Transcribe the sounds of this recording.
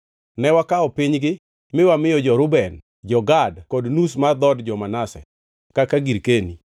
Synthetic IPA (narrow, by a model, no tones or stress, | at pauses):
nɛwakaɔpɪɲɡɪ | mɪwamɪjɔd͡ʒɔɾʊbɛn | d͡ʒɔɡadkodnus̬mad̪ɔdd͡ʒɔmanasɛ̰ | kakaɡiɾkeni